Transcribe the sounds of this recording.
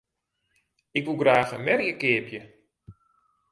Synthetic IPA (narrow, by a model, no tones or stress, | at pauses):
ɪkʋulˠɡraːxəmɛriəkɪːpjə